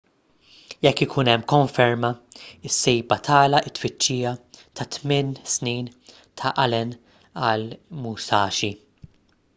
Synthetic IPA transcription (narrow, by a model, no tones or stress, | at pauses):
jɛkːɪkʰuːnɛmːkɔɱfɛɾmɐɪsːɛjbɐt̪ʰɐːlɐʔɪt̪ːfɪt͡ʃːiːjɐt̪ɐt̪mɪnsniːn | t̪ʰɐʔɐlɛn | ɐlmusɐːʃi